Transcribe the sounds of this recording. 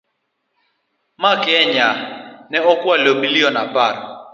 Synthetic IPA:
makɛɲanɛɔkwalomiliɔnapaɾa

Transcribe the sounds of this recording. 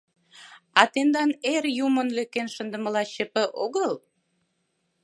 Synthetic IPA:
ɑt̪end̪ɑnerjumənløkːenʃənd̪ə̆mə̆lɑɕə̆pə̆ʔoɣəl

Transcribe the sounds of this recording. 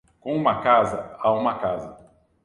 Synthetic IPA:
kõũmɐkazɐaũmɐkazɐ

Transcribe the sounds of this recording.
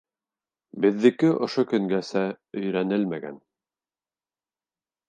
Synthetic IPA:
bɘ̆ðːɘ̆kɘʔŏʃokɵ̆ŋɡæsæ | ɵ̆jɾænɘlmæɡæ̰n

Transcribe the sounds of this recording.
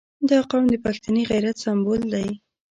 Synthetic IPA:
d̪ɑqɑwmd̪əpaxt̪aneɣajɾat̪sambold̪aj

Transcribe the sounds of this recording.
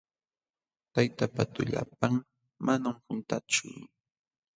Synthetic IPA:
t̪ajt̪apat̪ʊʎa̰p̚aŋ | manamhʊnt̪at͡ʃʊ

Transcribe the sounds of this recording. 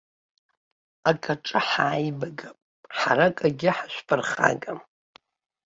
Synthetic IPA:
akʼaʈ͡ʂʼɨħaːjbaɡapʼ | ħaɾakʼaɡʲɪħaʃᶣʷfʰʼɨrχa̰ɡʼam

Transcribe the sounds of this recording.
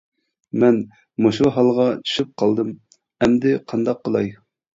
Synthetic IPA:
mɛn | moʃuɦɑlˠʁɑt͡ʃʰy̥ʃyp̚qʰɑlˠd̪ɨm | ɛmd̪ɪqʰɑnd̪ɑqːəlˠɑj

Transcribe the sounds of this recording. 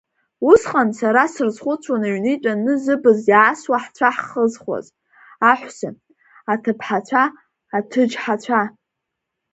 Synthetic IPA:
usqʼansaɾasɨrzχʷʊt͡sʷʰwanaɥnit͡ʃʼanɨzɨbɨzjaːswaħt͡sʷʰaħχəzχwa̰z | aħʷsa̰ | atʰɨpʰħat͡ɕʷʰaː | tʰɨd͡ʒħat͡ɕʷʰa

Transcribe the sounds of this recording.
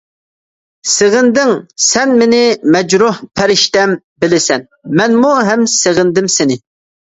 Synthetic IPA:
seʁɪnd̪ɪŋsɛnmɪnɪmɛd͡ʒɾuhpʰæɾɪʃt̪ɛm | bɪlɪsɛn | mɛnmuɦɛmseʁɪnd̪ɪmsɪnɪ

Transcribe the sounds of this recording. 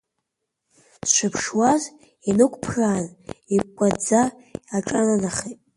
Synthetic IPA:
sʃʷɨpʰʂwaz | inɨkʷʼpʰraːnikʷʼad͡za | aʈ͡ʂʼananaχetʼ

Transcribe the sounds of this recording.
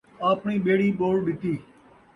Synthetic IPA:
aːpɳiːɓeːɽiːɓoːɽɗɪt̪iː

